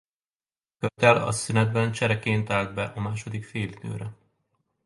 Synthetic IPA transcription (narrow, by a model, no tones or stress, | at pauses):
kørt̪ɛɾɒ̰synɛd̪bɛnt͡ʃɛɾɛkeːnt̪aːld̪bɛʔɒmaːʃo̞d̪ikfeːlid̪̥ø̰ːɾɛ